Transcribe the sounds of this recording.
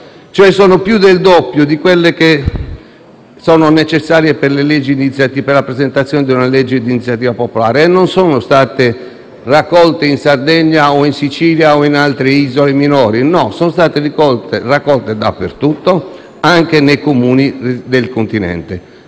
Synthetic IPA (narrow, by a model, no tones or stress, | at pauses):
t͡ʃoɛsɔːnopjud̪eld̪opːjod̪ikwelːeke | sɔːnonet͡ʃesːaːɾjeperleled͡ʒːid̪init̪sːjat̪iperlapɾezent̪at̪sjɔːned̪iunalɛd͡ʒːed̪init̪sjat̪iːvapopolaːɾeːnːonsɔːnost̪aːt̪e | rakːɔlt̪einsard̪ɛɲːaoinsit͡ʃiːljaoinalt̪ɾeiːzoleminɔːɾinɔsɔnost̪aːt̪erikɔlt̪erakːɔlt̪ed̪a̰pːert̪ut̪ːo | aŋk̟enejkomuːnid̪elkont̪inɛ̰nt̪e